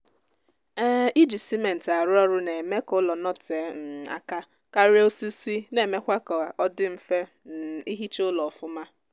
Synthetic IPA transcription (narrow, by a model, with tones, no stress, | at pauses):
ɛ˦i˦d͡ʒi˨si˦me˨n̩˨ta˨ɾʊ˦ɔ˦ɾʊ˦ne˨me˦kʊ˦lɔ˨nɔ˦te˨˦n̩˨a̰˨ka˦ | ka˦ɾe˦o˦si˦si˦ne˨me˦kʷa˦kɔ˨a˨ʔɔ˦dɪ˦m̩˦fe˦ | n˨i˦ɦi˦t͡ʃʊ˦lɔ˨ɔ˨fʊ˦ma˦